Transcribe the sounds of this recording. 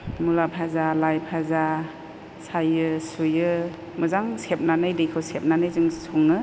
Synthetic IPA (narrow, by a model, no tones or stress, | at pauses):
mulapʰazalajpʰaza | sajɯsujɯ | mɯzaŋsep̚nanɯjdejkʰɯwsep̚nanɯjzɯŋsʰuŋɯ